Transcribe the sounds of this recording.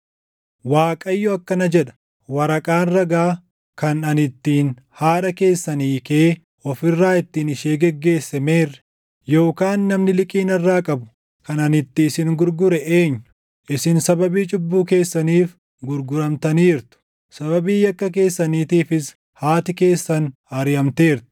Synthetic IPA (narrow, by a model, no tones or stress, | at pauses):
waːkʼɐjːʊɐkːɐnɐd͡ʒɛᶑɐ̥ | wɐɾɐkʼaːnrɐɡaː | kɐnɐnɪt̪ːiːn | haːᶑɐke̞ːsːɐniːkeː | ɔfɪrːaːɪt̪ːiːnɪʃeːɡɛɡːe̞ːsːɛme̞ːrːɛ̥ | jo̞ːkaːnːɐmnɪlɪkʼiːnɐrːaːkʼɐbʊ̥ | kɐnɐnɪt̪ːiːsɪŋɡʊɾɡʊɾɛʔeːɲːʊ̥ | ʔɪsɪnsɐbɐbiːt͡ʃʼʊbːuːke̞ːsːɐniːf | ɡʊɾɡʊɾɐmt̪ɐniːɾt̪ʊ̥ | sɐbɐbiːjɐkːɐk̬e̞ːsːɐniːt̪iːfɪs | haːt̪ɪke̞ːsːɐn | ɐɾɪɐmt̪eːɾt̪ʊ̥